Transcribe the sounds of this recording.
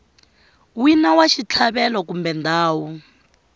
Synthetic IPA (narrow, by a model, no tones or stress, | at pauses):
winawaʃit͡ɬʰaβɛlɔkumbɛnd̪aːwu